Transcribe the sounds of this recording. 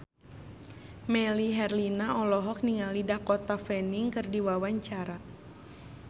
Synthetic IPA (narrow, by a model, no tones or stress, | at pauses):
mɛliɦɛrlinaɔlɔɦɔk̚niŋalidahkɔt̪afɛniŋkɨrdiwawaɲt͡ʃaɾa